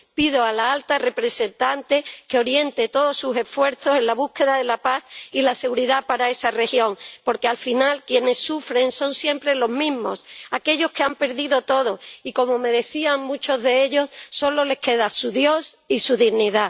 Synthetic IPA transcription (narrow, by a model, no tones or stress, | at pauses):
piðo̞alaalt̪are̞pɾe̞se̞nt̪ant̪e̞keo̞ɾje̞nt̪e̞t̪o̞ðo̞suse̞fwe̞ɾθo̞se̞nlaβ̞uhke̞ðaðe̞lapaθilase̞ɣuɾiðapaɾae̞sare̞xjo̞ŋpo̞ɾke̞alfinalkje̞ne̞sːufɾe̞ŋso̞nsje̞mpɾe̞lo̞ɦmĩɦmo̞sake̞ʎo̞hke̞ampe̞ɾðiðo̞t̪o̞ðo̞iko̞mo̞me̞ðe̞θiaŋmũt͡ʃo̞zðe̞eʎo̞sːo̞lo̞le̞hke̞ðasuðjo̞sisuðiɣniða